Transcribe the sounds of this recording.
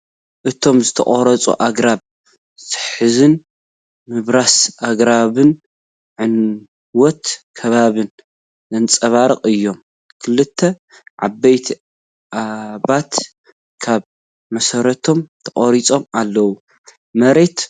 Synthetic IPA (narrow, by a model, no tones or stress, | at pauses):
ʔɨt̪ʰo̞mzɨt̪ʰɐχʼɔɾɐt͡sʼṵʔaɡɾaβ | sɨ̥ħɨzɨn | mɨβɾasʔaɡɾaβɨn | ʕɨn | wɔt̪kʰɐβaβɨn | zɐnt͡sʼɐβaɾɨqʼɨjːo̞m | kʰɨlɨt̪ʰːɐ | ʕa̰bːɐjt̪ʰi | ʔaβat̪ | kʰaβ | mɐsɐɾɐt̪ʰo̞mt̪ʰɐχʼɐɾit͡sʼo̞malːɐwu | mɐɾe̞t̪